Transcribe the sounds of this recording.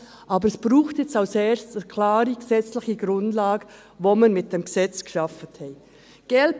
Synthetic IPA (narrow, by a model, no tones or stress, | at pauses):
ʔɑːbəɾɛsb̥ɾuːxtjɛt͡staʊsɛːstkʰlaːɾiɡ̥əsɛt͡slɪçəɡ̥ɾʊndlaːɡə | vomanmɪt̚d̥emɡəsɛt͡sɡ̥ə̥ʃɑfəthɛ | ɡ̥ɛlp